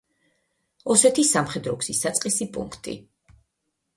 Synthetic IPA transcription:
ɔsɛt̪ʰisamχɛd̪ɾɔɡsisat̪sʼqʼisipʼṵŋkʰt̪ʼḭ

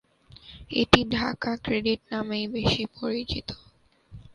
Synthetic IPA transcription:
ḛʈiɖʱa̰kakɾeɖiʈ̚namejbeʃipoɾit͡ɕit̪o̥

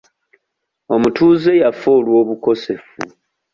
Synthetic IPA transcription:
o̞mutuːze̞jafoːlwo̞ːβuko̞se̞fṵ

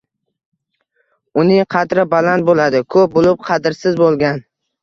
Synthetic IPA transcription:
ʊnɪŋqʰɑd̪ɾɪbalant̪̚bolad̪ɪkʰɵp̚bolɪp̚qʰɑd̪ɪɾsɪzbolˠɡʲan

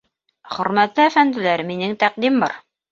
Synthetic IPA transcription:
χɵ̆ɾmæt̪lɘæfænd̪ɘ̆læɾminɘŋt̪æq̚d̪imbɑ̰ɾ

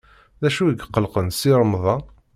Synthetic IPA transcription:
ðæʃuəɡqːəlqənsiɾˤəmðˤɑ

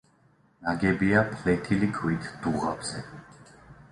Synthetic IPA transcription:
naɡɛbiapʰlɛt̪ʰilikʰwit̪ʰd̪̥uʁa̰bz̥ɛ

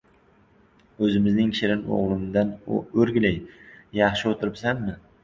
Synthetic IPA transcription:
ɵzɪmɪznɪŋʲʃɪɾɪno̰ʁlˠɪmd̪anɵɾɡʲɪlajjɑχʃɪot̪ʰɪɾɪpsamːɪ

